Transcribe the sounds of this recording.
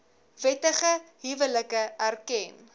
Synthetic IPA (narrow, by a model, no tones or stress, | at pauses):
vɛtəχəɦivələkəærkɛn